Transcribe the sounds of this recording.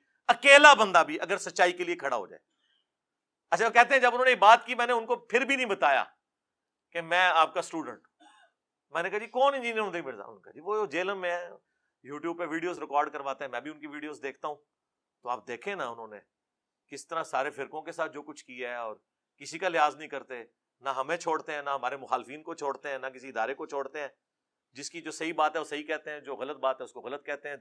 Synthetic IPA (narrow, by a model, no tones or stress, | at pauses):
ɐkeːlabə̃nd̪abʱiʔɐɡəɾsɐtːʃaːikeliekʰɐɽa̰ɦo̰ːd͡ʒa̰ːe | ɐt͡ʃʰaokɛɦt̪eɦɛ̃d͡ʒɐbʊnɦõneebaːt̪kimɛ̃ːneʊnkopʰɪɾbʱinɐ̃ĩːbət̪aːja̰ː | kemɛ̃ːaːp̚kasʈuːɖə̃ɳʈ | mɛ̃ːnekaɦad͡ʒiːkɔːnɪ̃nd͡ʒiːniəɾɦõnd̪aimeɾza̰ːʊ̰nka̰d͡ʒiːʋood͡ʒeːləmːẽ | juːʈjuːb̚peʋiːɖijoːzɾɪkɔːɾɖkəɾʋaːt̪eɦɛ̃mɛ̃ːbʱiʊnkiʋiːɖijoːzd̪eːkʰt̪aɦũː | t̪oaːp̚d̪eːkʰẽnaʊnɦõːne | kɪst̪əɾãsaːɾefɪɾkõkesaːt̪̚ʰd͡ʒoːkʊt͡ʃʰkiaɦɛɔːɾ | kɪsikalɪɦaːznɐɦĩkɐɾt̪e | naɦɐmẽt͡ʃʰoːɽt̪eɦɛ̃ːnaɦɐmaːɾemʊxaːlfiːnkot͡ʃʰoːɽt̪eɦɛ̃ːnɐk̬ɪsiɪd̪aːɾekot͡ʃʰoːɽt̪eɦɛ̃ː | d͡ʒɪskid͡ʒoːsɐɦibaːt̪ɦɛʋosɐɦikɛɦt̪eɦɛ̃ːd͡ʒoːɣɐlət̪̚baːt̪ɦɛʊskoɣɐlət̪̚kɛɦt̪eɦɛ̃ː